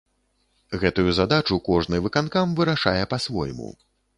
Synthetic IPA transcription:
ɣɛt̪ujuzad̪at͡ʂukɔʐnɨvɨkankamvɨɾaʂa̰jɛpasvɔ̰jmṵ

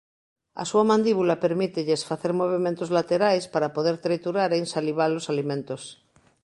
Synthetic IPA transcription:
a̰suamãnd̪iβulapeɾmit̪eʎeesfaθeɾmoβ̞iment̪ozlat̪eɾajspaɾapoðeɾt̪ɾet̪uɾaɾensaliβ̞alːosalimẽnt̪os

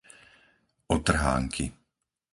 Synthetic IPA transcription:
ɔt̪r̩ɦa̰ːŋkʰi

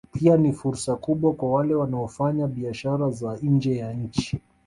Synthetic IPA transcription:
pianifuɾsakuɓwakwawalɛwanaɔfaɲaɓiaʃaɾazand͡ʒɛjaɲ̩t͡ʃi

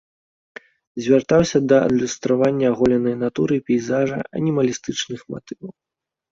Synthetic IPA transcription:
zʲvʲart̪awsʲɐd̪ɐɐ̰d̪lʲust̪ɾavanʲːɐːɣɔlʲɛnɐjnat̪uɾɨpʲɛjzaʐɐ̰ɐ̰nʲimɐlʲist̪ɨt͡ʂnɨxma̰t̪ɨvɐw

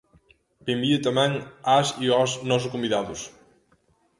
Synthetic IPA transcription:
bembiʊt̪amɛ̃ŋasiɔsnɔs̬ʊskombiðaðʊs

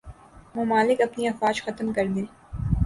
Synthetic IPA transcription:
mʊmaːlɪkɐpniɐfaːd͡ʒxɐt̪mkɐɾd̪ẽː

